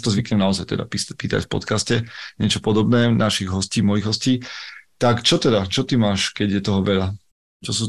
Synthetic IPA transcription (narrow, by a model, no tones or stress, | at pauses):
t̪ɔzʋikɲɛmnaɔzajt̪ɛ̰d̪a̰pipiːt̪a̰cfpɔ̰t̪kascɛɲɪɛt͡ʃɔpɔd̪ɔbnɛːnaʃiɣɦɔsciːmɔjiɣɦɔsciːt̪akt͡ʃɔt̪ɛd̪at͡ʃɔt̪imaːʃkɛɟjɛt̪ɔɦɔʋɛʎa | t͡ʃɔs̬uː